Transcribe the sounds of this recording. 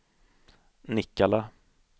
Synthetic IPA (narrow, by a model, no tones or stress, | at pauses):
nɪkːala